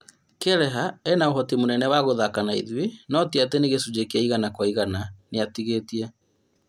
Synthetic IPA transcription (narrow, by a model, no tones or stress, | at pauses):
kɛɾɛɦaɛnaoɦɔtimonɛnɛwaɣoðakanaḭðwenɔtiateneɣesud͡ʑekeaiɣanakwaiɣananeatiɣetiɛ